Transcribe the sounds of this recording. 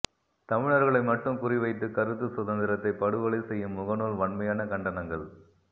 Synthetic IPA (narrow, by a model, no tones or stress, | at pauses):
t̪ɐmɪɻɐɾɣɐɭɐɪmɐʈːɯmkʊrɪʋɐɪt̪̬ːɯkɐɾɯt̪ːɯsʊðɐnd̪ɪɾɐt̪ːɐɪpːɐɽɯʋɐɭɐɪsɛjːɯmːʊɣɐnoːlʋɐɳmɐjaːnɐkɐɳɖɐnɐŋɡɐɭ